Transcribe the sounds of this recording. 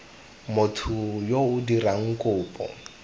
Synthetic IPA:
mʊtʰʊjoʊdiraŋ̩kʼʊːpʼɔ̰

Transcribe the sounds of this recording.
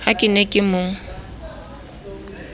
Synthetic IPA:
hakʼɪnekʼɪmʊ

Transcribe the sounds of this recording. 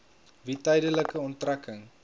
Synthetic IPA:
vitɐjdələkəɔntrɐkəŋ

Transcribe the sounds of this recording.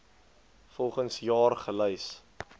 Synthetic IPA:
fɔlˠχənsjɑːrχələjs

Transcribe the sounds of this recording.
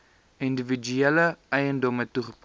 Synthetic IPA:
individ͡ʒyeləɛjəndɔmətuχə̥p

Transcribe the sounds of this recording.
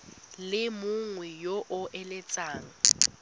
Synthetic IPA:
lɪmʊŋwɛjoʔʊʔɛlɛt͡sʼaːŋ̩

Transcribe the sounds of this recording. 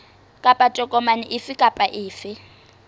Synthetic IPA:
kʼapʼatʼɔkʼɔmanɪʔɪfɪkʼapʼaʔɪːfɪ

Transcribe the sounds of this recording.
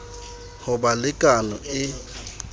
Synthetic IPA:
hʊbalɪkʼanɔɪ

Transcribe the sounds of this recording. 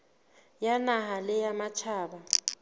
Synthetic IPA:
janaɦalɪjamat͡ʃʰaːɓa

